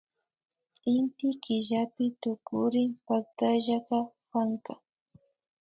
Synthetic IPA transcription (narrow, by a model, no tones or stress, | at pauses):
ɪnt̪ɪkɪʒapɪt̪ʊkʊɾɪmpak̚t̪aʒaɢɑ | paŋka